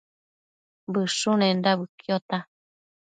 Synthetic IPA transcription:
bɨʂunẽndaβɨkjot̪a

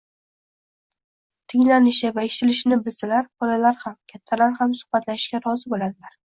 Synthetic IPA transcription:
t̪ʰɪŋlanɪʃɪvaeʃɪ̥t̪ʰɪlɪʃnɪbɪlsalaɾbɒlalaɾhamkʲʰat̪ʰːalaɾhamsʊ̥χbat̪laʃɪʃkʲaɾɒzɪbolad̪ɪlaɾ

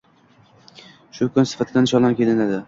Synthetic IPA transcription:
ʃʊkʰʊnsɪ̥fat̪ʰɪd̪anʃɒlˠamkʲʰe̞lɪnad̪ɪ

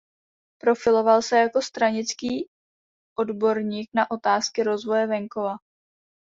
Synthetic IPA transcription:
pɾo̞fɪlo̞valsɛjako̞st̪ɾaɲɪt͡skiː | ʔo̞dbo̞ɾɲiːknaʔo̞t̪aːskɪɾo̞zvo̞jɛvɛŋko̞va

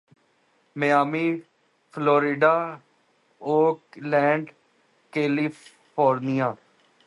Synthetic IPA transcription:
meaːmiː | pʰloːɾɪɖaː | oːlɛ̃ːɳɖ | keːli | oːɾnijaː

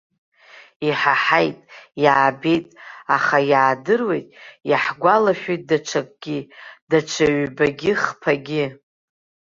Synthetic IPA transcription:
iħaħajtʼjaːbe̞jtʼaχajaːdɨrwe̞jtʼjaħɡʷalaʃᶣejt̚ʼdaʈ͡ʂʷʰakʼɡ̥ʲid̥aʈ͡ʂʷʰaɥbaɡʲɪχpʰaɡʲɪ

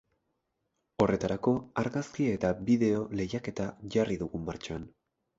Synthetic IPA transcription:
o̞re̞t̪aɾako̞aɾɣaskiet̪aβiðe̞o̞le̞jake̞t̪aʝariðuɣumːaɾt͡ʃoan

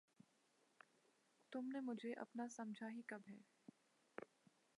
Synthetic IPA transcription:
t̪ʊmnemʊd͡ʒʱeʔɐ̰pnasɐmd͡ʒʱaɦikɐbɦɛː

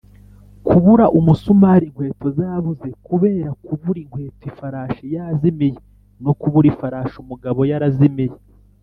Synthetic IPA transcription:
kʰuβuɾaʔumusumahɾiŋkwe̞ːtozaβuze̞kuβe̞ːɾakuβuɾiŋkwe̞ːtifaɾaːʃejazimije | no̞kuβuɾifaɾaːʃumuɡaβo̞jaɾazimije

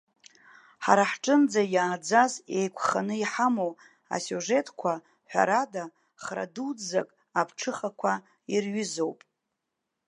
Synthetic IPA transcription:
ħaɾaħʈ͡ʂʼɨnd͡zajaːd͡zaze̞jkʷʰχanɨiħamow | a̰suʐe̞tʼkʷʰa | ħʷᶣa̰ɾada | χra̰dud͡zzakʼ | apʰʈ͡ʂʰɨχakʷʰa | irɥʏzo̞wpʼ

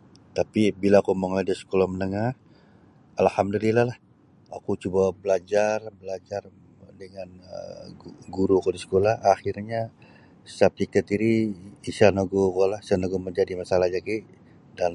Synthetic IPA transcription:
t̪apibilaːkuməŋladəsə̥kolamənəŋah | alhamdulilahlah | a̰kut͡ʃubabəlad͡ʒarbəlad͡ʒar | dəŋanə̰ | ɡuɾuakudisə̥kolahaxirɲa | sap̚sik̚t̪at̪iɾiːsanoɡokolahisanaɡoməɲd͡ʒadimasalahd͡ʒaki | dan

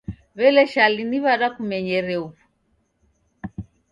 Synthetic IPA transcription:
βɛlɛʃaliniβaɾakumɛɲɛɾɛuβu

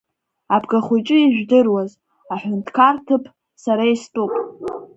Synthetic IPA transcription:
abʰɡaχʷujt͡ʃʼɨiʒᶣdɨrwaz | aħʷᶣʊntʰkʰartʰɨpʰ | saɾaistʼupʼ

